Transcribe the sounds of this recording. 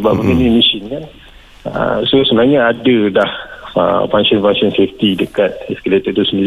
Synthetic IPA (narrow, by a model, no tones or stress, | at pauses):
əbaʔ̚bəɡənimisinkan | ə̰sosənaɲəadədahə̰faŋsɔnfaŋsɔnseft̪idəkat̪̚ɛskalet̪əd̪usəndii